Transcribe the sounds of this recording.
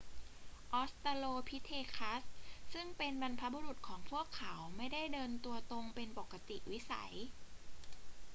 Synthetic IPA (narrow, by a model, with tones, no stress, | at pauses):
ʔɔː˦˥st̪aː˧loː˧pʰi˦˥t̪ʰeː˧kʰa˦˥ssɯ˥˩ŋpe˧nba˧npʰa˦˥bu˧ɾu˨˩t̪̚kʰɔː˩˦ŋpʰu˥˩əkʰːa˩˦wma˥˩jda˥˩jdɤː˧nt̪u˧ɐt̪o˧ŋpe˧npo˨˩kːa˧t̪ḭ˨˩wi˦˥sa̰˩˦j